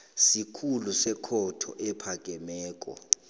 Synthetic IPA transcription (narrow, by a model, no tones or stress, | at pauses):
sikʰulusɛkʰɔtʰɔ̰ʔɛpʰak̬ʼɛmɛːk̬ʼɔ̰